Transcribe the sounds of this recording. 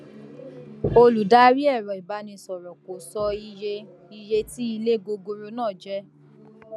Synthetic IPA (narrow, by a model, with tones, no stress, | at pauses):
o˧lu˨da˦ɾi˦ɛ˦˨ɾɔ˨i˨ba˨˦nĩ˧sɔ˨ɾɔ˨ko˨sɔ˧i˧je˧ | i˧je˧ti˦i˧le˦˨ɡo˧ɡo˧ɾo˧nãː˦˨d͡ʒɛ˦